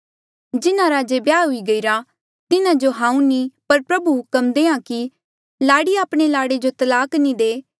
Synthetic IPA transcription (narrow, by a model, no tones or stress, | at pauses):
d͡ʒɪnãɾaːd͡ʒebjaːɦʊiɡɐiɾa | t̪ɪnãd͡ʒoɦãːũnipɐɾpɾɐbuɦʊkəmd̪eːãki | laːɽiaːpɽ̃elaːɽed͡ʒot̪ɐlaːknĩd̪eː